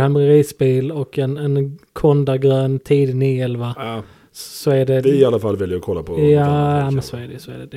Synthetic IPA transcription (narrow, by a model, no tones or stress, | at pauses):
hɛnmɾɛɾiːsbiːlɔkɛnɛnkʰɔnd̪aɡɾøːnt̪ʰiːd̪niɛlva | sɔæɖɛɪɪalːafalːvɪljəəɾkʰɔlːapʰɔjaːamɛnsɔæɖɛjsɔæɖɛd̪